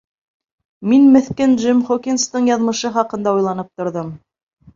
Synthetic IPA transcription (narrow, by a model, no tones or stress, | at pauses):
minmɘ̆θkænʒɘmχokʲinst̪ɤɴjɑðmɤ̆ʃɤχɑqɤ̆nd̪ɑujlˠɑnɤp̚t̪ŏɾðɤm